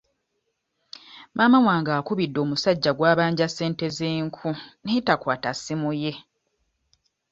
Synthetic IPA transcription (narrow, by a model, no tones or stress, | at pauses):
maːmamwaːŋɡaːkuβidːo̞ːmusaɟːaɡwaːβaːɲɟasːe̞ːnte̞zeːŋkʰunetakwaːtasimuje̞